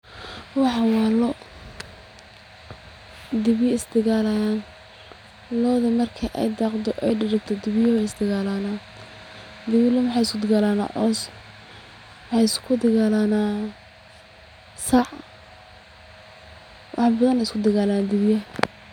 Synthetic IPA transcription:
wɑħwɑːlɔ | d̪ɪβɪjɪsd̪ɪɣaːlajaːn | lɔːðɐmɐrkʰɐʔɛ̰jd̪ɑːqd̪ɔʔɛjɖɪɾɪkt̪ʰɔd̪ɪβɪjɐwɛɪsd̪ɪɣaːlaːnaː | d̪ɪβɪlɐmɑħɑjɪskʰʊd̪ɪɣalaːna̰ːʔɔːs | mħɑjɪskʰʊd̪ɪɣaːlaːnaː | sɑʕ | wʔɑ̰ħbɐðɐnɛɪskʰʊd̪ɪɣaːlajaːnd̪ɪβɪjɐ

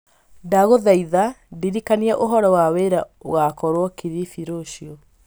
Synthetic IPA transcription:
daɣoðaiðadiɾikaniɛʔoɦɔɾɔwaweɾaoɣakɔɾwɔkiɾifiɾoɕiɔ

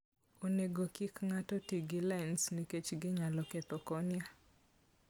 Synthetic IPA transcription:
oneɡokɪkŋatɔtiɡɪlaɪnsniket͡ʃɡɪɲalɔkɛt̪ɔkɔnɪa

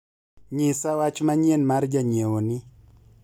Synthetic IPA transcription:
ɲɪsawat͡ʃmaɲenmaɾd͡ʒaɲewonɪ

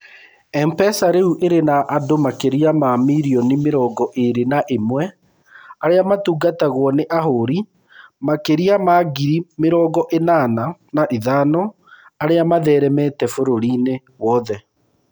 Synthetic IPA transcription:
ɛmpɛsaɾeuʔeɾenaʔadomakeɾiamamiɾiɔnimeɾɔːɡɔʔeɾenaʔemwɛ | aɾeamatuːɡataɣwɔneʔaɦoɾi | makeɾiamaːɡiɾimeɾɔːɡɔʔenananaʔiðaːnɔ | aɾeamaðɛːɾɛmɛtɛfoɾoɾine | wɔðɛ

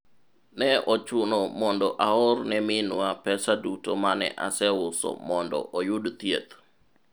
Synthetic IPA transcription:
nɛɔt͡ʃʊnɔmɔndɔʔaɔrnɛmɪnwapɛsadutomanɛ̰ʔa̰sɛwʊsɔ̰mɔndɔ̰ʔɔjudt̪jet̪

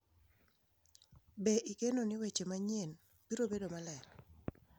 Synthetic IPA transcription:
beʔikenonɪwet͡ʃemaɲjen | biɾobedomalɛɾ

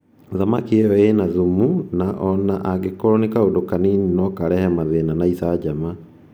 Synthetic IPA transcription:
ðamakiɛjɔenaðumunaʔɔnaʔaɡekɔɾɔnekaodokanininɔkaɾɛhɛmaðenanaisad͡ʑama

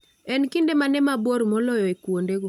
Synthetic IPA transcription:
ɛnkindemanɛmaboɾmɔlɔjɔekwondeɡo

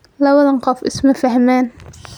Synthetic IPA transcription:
lɐwɐðɐɴqɔfɪ̰smɐfɐhmaːn

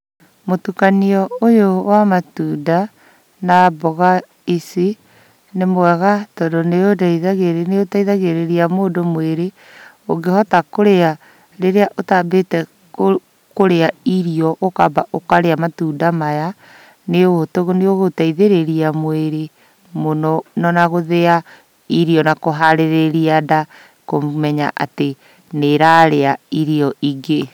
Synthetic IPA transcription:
motukaniɔojowamatuda | naːbɔɣa | isi | nemwɛɣatɔdonejodaiðaɣeɾeneotaiðaɣeɾeɾiamoːdomweɾe | oɡehɔtakoɾea | ɾeɾeaʔotaːbetɛ | koɾeaiɾiɔʔokabaʔokaɾeamatuːdamaja | neootoɣoneoɣotaiðeɾeɾiamweɾe | monɔnɔnaɣoðea | iɾiɔnakoɦaɾeɾeɾiada | komɛɲa̰ʔa̰te | neɾaɾeaiɾiɔiɡe

